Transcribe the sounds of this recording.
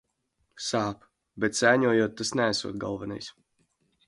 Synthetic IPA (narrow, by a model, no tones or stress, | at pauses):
saːp | bɛt̪sæːɲuɔjuɔt̪̚ːasnææsṵɔt̪̚ɡa̰lˠvɛnɛ̰js